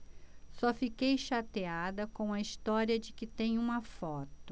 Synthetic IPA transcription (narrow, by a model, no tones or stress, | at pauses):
sɔfikejʃat̪ead̪ɐkõw̃ɐist̪ɔɾiɐd͡ʒɪkɪt̪ẽj̃ũmɐfɔt̪ʊ